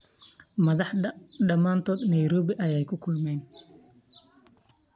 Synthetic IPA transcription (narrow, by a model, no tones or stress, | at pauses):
mɐðɑħdɐɖɐmaːnt̪ʰɔːd̪nɐjɾɔːβɪʔɐjɛjkʰʊkʰʊlmɛːn